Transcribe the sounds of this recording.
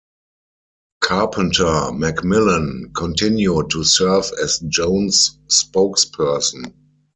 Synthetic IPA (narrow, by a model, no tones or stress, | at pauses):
kʰapʰə̃ntʰəmɛkmɪlə̃nkʰɔ̃ntʰɪ̃njud̚tʰːusɜ˞vɛsd͡ʒõʊ̃nsːpoʊkspʰɜ˞sn̩